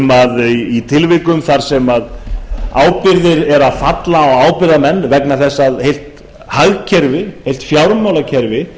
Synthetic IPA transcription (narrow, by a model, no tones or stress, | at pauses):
maðiit̪ʰɪlvɪkʏmθaɾ̥sɛmaðaːwpɪɾðɪɾɛɾaðfat̪laaɣaːwpɪɾðamɛnːvɛknaθɛsːaðhejlt̪ | haɣcʰɛɾvɪhejl̥t̪fjawɾmawlacʰɛɾvɪ